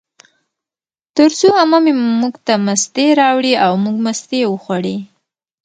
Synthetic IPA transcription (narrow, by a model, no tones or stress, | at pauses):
t̪əɾsoamamemuɡt̪amast̪eɾɑwɽiawmuɡmast̪ewəxwaɽi